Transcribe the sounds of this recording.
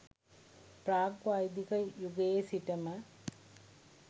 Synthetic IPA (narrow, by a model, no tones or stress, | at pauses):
pɾaːkʋajd̪ikɐjuɡesiʈɐmɐ